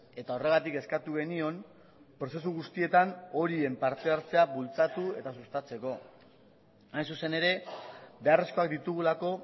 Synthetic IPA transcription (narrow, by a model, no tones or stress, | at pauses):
e̞t̪ao̞re̞ɣ̞at̪ike̞skat̪uɣ̞enio̞m | pɾo̞se̞s̬uɣust̪ie̞t̪ano̞ɾie̞mpaɾt̪e̞aɾt͡se̞aβult͡sat̪ue̞t̪asust̪at͡se̞ko̞ | ajnsuse̞ne̞ɾe̞be̞are̞sko̞akd̪it̪uɣ̞ulako̞